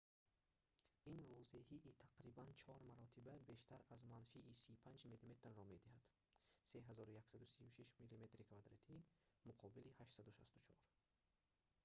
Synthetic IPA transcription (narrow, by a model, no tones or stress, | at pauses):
invɔze̞hiʔːt̪ʰaqɾibant͡ʃʰɔɾmaɾɔt̪ʰibabeʃt̪ʰaɾazmanfiʔːsiupʰand͡ʒmilime̞t̪rːɔme̞d̪ihad̪̥ | se̞ɦazɔɾujaksad̪usiuʃiʃmilime̞t̪ɾikʰvad̪ɾat̪ʰimuqʰɔbilihaʃsad̪uʃast̪u̥t͡ʃʰɔ̰ɾ